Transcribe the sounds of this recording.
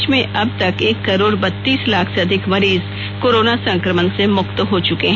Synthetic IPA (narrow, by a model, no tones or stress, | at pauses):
t͡ʃmẽʔʔɐb̚t̪ɐkeːkːɐɾoːɾbɐt̪ːiːslaːkʰseɐd̪ʱɪkmɐɾiːz | koːɾoːnasɐ̃ŋkɾəmənsemʊxt̪ɦot͡ʃʊkeɦ